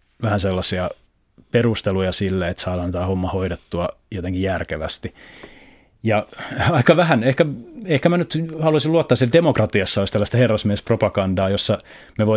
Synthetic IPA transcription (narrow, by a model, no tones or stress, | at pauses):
ʋæhænselːɑsiɑ | perust̪elujɑsilːeet̪sɑilɑnt̪æːhomːɑhoiɾet̪ːuɑ | jot̪eŋkijærkeʋæ̰st̪i | jɑɑikɑʋæhænehkæehkæmænyt̪hɑluɑsiluɑt̪ːɑsieldemokrɑt̪iɑsːɑolist̪ælːæst̪ɑherːɑsmiespropɑkɑndɑːjosːɑ | meʋo